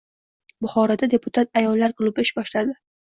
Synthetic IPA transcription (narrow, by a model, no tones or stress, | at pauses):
bʊχɒɾɒd̪ad̪e̞pʰʊt̪ʰat̪̚ajɒlːaɾkʊlˠʊbɪɪʃbɒʃlad̪ɪ